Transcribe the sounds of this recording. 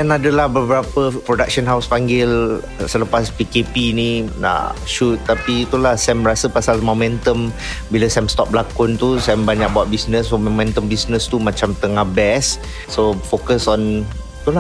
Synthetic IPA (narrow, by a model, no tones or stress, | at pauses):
danadəlahbəbəɾapəpɾodak̚sənɦawspaŋɡɪl | sələpaspikepinina̰ʔʃut̪̚ːapit̪ulahsɛmɾasəpasalmomɛ̃nt̪əm | biləsɛmst̪ɔp̚bəlakʊnt̪usɛmbaɲak̚bawaʔ̪̚bisnəsommɛ̃nt̪əmbisnəst̪umãt͡ʃamt̪əŋahbɛsː | ofokəsɔn | t̪ula